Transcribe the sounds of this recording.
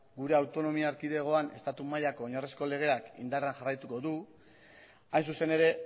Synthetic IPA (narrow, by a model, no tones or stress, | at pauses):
ɡuɾe̞awt̪o̞no̞miaːɾkiðe̞ɣ̞o̞ane̞st̪at̪umaʎako̞ːɲaresko̞le̞ɣ̞e̞akḭnd̪areanʝarajt̪uko̞ðu | ajns̬use̞ne̞ɾe̞